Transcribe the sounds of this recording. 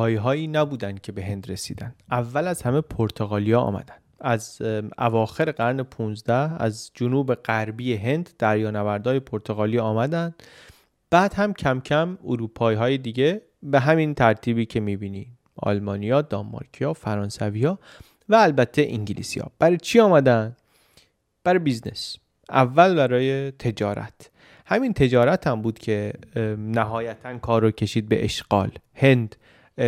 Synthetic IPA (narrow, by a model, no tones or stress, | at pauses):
iɦɒːiːnæbuːd̪ænd̪̚cʲʰe̞be̞ɦe̞nd̪ɾe̞sḭːd̪ænd̪̥ʔævːælæzhæmepʰoɾt̪ʰoɣɒːlijɒɒ̰ːmæ̰d̪̥ænd̪̥æzæ̰vɒːxe̞ɾe̞ɣæɾne̞pʰuːnzd̪æhæ̰zd͡ʒonuːbe̞ɣæɾbijeɦe̞nd̪̥ːæɾjɒːnævæɾd̪ɒːje̞pʰoɾt̪ʰoɣɒːlijɒːmæd̪ænd̪̥ | b̥æːd̪̥hæmcʰæmcʰæmoɾuːpʰɒːiːɦɒːjed̪iːɟe̞ | be̞ɦæmint̪ʰæɾt̪ʰiːbiːcʰe̞miːbiːniː | ɒ̰lmɒːnijɒːd̪ɒmːɒ̰ɾcʰijɒːfæɾɒːnsæviːhɒː | væːlbæt̪ʰːe̞ʔiŋɟilḭsiɒ̰ːb̥æɾt͡ʃʰiɒːmæd̪ænd | b̥æɾbiznḛs | ʔævːælbæɾɒːje̞t̪ʰe̞d͡ʒɒːɾæ̰t̪ʰ | hæmint̪ʰe̞d͡ʒɒːɾæt̪ʰæmbuːd̪cʰe̞næɦɒːjæt̪ʰænkʰɒːɾːocʰe̞ʃiːd̪̚be̞̰ʔeʃɡ̥ɒ̰ːlhe̞nd̪̥